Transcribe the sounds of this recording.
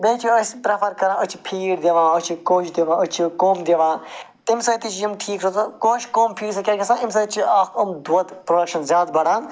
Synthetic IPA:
bẽːt͡ʃʰiɐsʲpɾɐpʰɐɾkɐɾãːət͡ʃʰi̥pʰiːɽd̪eʋãːət͡ʃʰikoːt͡ʃʰd̪eʋãːət͡ʃʰikoːmd̪eʋãːt̪imsɐt̪it͡ʃʰjimʈʰiːkɾot͡skoːt͡ʃkoːmpʰiːɾsɐkʲɐːkʲɐsãːims̬ɐːt̪t͡ʃʰiaːkɐmd̪uɐd̪pɾoɖɐkʃɐnzjaːd̪̚bɐɽãːn

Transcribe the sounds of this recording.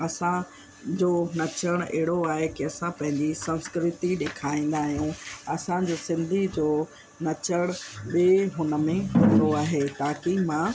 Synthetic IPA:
ɐsã | d͡ʑoːnɐt͡ɕəɽ̃ɛ̰ɦɪɽoaːɦekiɐsãpɐ̃ɦɪ̃ɲd͡ʑisɐ̃nskɾɪt̪iɗeːkʰaːĩːn̆d̪aːɦijũɐsãd͡ʑoːsɪ̃nd̪ʱid͡ʑoː | nɐt͡ɕəɽ̃ɓeɦʊnə̆mẽɦʊ̃d̪oaːɦeːt̪aːkimã

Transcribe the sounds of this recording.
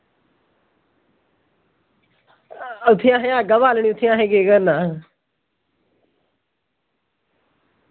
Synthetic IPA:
ʊt̪ʰijãːɦẽãːɡəʋaːlɳ̃iʊt̪ʰiãːɦẽɡeːɡəɾnaː

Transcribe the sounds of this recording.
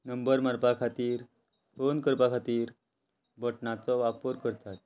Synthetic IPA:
nəmbəɾməɾpakʰat̪iːɾ | fonkəɾpakʰat̪iːɾ | bʱəʈɳat͡sɔʋapəɾkəɾt̪at̪̚

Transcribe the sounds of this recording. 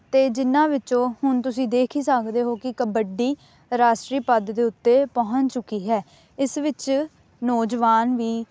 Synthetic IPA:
t̪eːd͡ʒɪnːãːʋɪt͡ʃõːhʊnt̪ʊsĩːd̪eːkʰiːsəkʰd̪eːɦoːkɪkəbəɖiː | ɾaːsʈɾiːpəd̪d̪eːʊt̪ːeːpɔɦət͡ʃt͡ʃʊkːiːɦɛː | ɪsʋɪt͡ʃ | nɔːd͡ʒʋaːnʋiː

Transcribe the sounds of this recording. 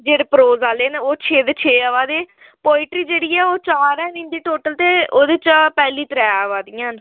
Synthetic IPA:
d͡ʒeːɽeːpɾoːzaːleːneoːt͡ʃʰeːd̪eːt͡ʃʰeːəʋaːd̪eː | poːɪʈɾiːd͡ʒeːɽiːɛːoːt͡ʃaːɾɛ̃ːnɪ̃nd̪iːʈoːʈəlt̪eːoːd̪eːt͡ʃpɛːliːt̪əɾɛːəːʋaːd̪ijãːn

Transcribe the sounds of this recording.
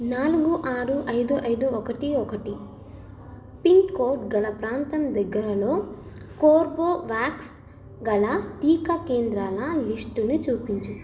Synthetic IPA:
naːluɡuʔaːɾuʔɐjd̪uʔɐjd̪uɔkɐʈiɔkɐʈi | piŋkkoːɾʈɡɐlɐpɾaːnt̪ɐmd̪ɐɡːɐɾɐlo̞ː | koːɾboːʋaːks | ɡɐlɐt̪iːkɐkeːnd̪ɾaːlɐlisʈunut͡ʃuːpiɲt͡ʃu

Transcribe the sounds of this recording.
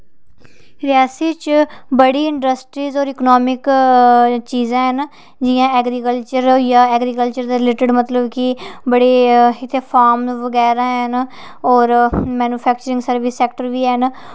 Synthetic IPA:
ɾɪjaːsiːt͡ʃbəɽiːɪɳɖəsʈɾiːzɔːɾɪknɔːmɪk | t͡ʃiːzãːɦən | d͡ʒɪjãːɛːɡɾiːkəlt͡ʃəɾjaːɛːɡɾiːkəlt͡ʃəɾd̪eːɾɪleːʈɪɖmət̪ləbkibəɽeːɪt̪ʰeːpʰaːɾmʋəɡɛːɾãːɦən | ɔːɾmɛːnuːpʰɛːkt͡ʃəɾɪ̃ŋɡsəɾʋɪsːɛːkʈəɾʋiːɛn

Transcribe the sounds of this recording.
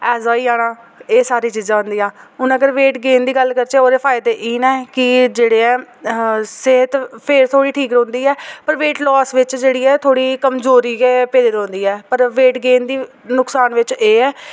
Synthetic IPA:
ɛːzaːiːaːɽãː | eːsaːɾiːt͡ʃiːzãːɦʊ̃nd̪iːjãːʊnəɡəɾʋeːʈɡeːnd̪iːɡəlːkəɾt͡ʃeːoːɾeːpʰaːɪd̪eːʔiːnɛːkɪd͡ʒeːɽeːɛː | seɦət̪pʰɪɾt̪ʰoːɽiːʈʰiːkɾõːnd̪iːɛːpəɾʋeːʈlɔːsʋɪt͡ʃd͡ʒeːɽiːɛːt̪ʰoːɽiːkəmzoːɾiːkeːpeːd̪eɾõːnd̪iːɛːpəɾʋeːʈɡeːnd̪iː | nʊksaːnʋɪt͡ʃeːɛː

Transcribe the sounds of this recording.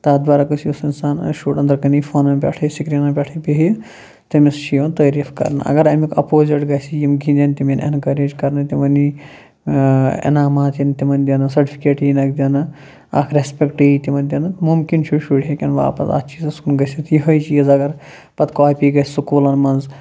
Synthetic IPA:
t̪aːd̪ʋaːɾakɐsjusinsaːnʃuːʈɐ̃nd̪ɐɾkɐnifʰoːnɐmbʲḛʈʰɐsikɾinɐːbʲeʈʰɐpiɦ | t̪ɐmist͡ʃʰiɐnt̪ɐːɾifʰkɐ̰ɾnɨ̰ʔɐ̰ɡɐɾɐmikʰɐ̰poːzeʈɡɐsʰijimɡʱind̪ʲɐnt̪imʲinʔḛnkɐɾeːd͡ʒkɐɾnɨt̪ʲimɐni | ḛnaːmaːt̪int̪imɐnʲd̪ʲɐnɐsɐɾʈi̥pʰi̥keːʈinɐkd̪ʲinɨ | ɐ̰kʰɾʲespʲekʈit̪ʲimɐnʲd̪ʲinɐt̪mumkint͡ʃʰuʃuɽɦekʲɐnʋa̰ːpɐ̰sɐ̰t̪t͡ʃʰiːzɐskunɡɐsit̪ʰjiɦɐjt͡ʃijɐzɐɡɐɾ | pɐt̪kɔːpiːɡɐssukuːlɐnmɐnz

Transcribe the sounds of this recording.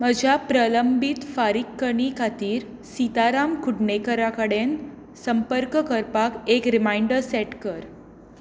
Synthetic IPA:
m̤əd͡ʑʱapɾələmbit̪faɾikːəɳiːkʰat̪iːɾ | sit̪aɾamkʰuɖɳekəɾakəɽen | səmpəɾkəkəɾpakekɾimajɳɖəɾsɛʈkəɾ

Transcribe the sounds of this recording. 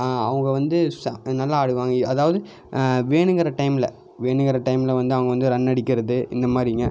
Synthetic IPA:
ɐʋɐŋɡɐʋɐnd̪ɯsnɐlːaaːɽɯʋaːŋɡɐɐðaːʋɐðɯ | ʋeːɳɯŋɡɐɾɐʈɐɪmɪlɐ | ʋeːɳɯŋɡɐɾɐʈɐɪmɪlɐʋɐnd̪ɯɐʋɐŋɡɐʋɐnd̪ɯɾɐnːɐɽɪkːɪɾɐðɯɪ̰nd̪ɐmaːd̪ɾɪŋɡɐ

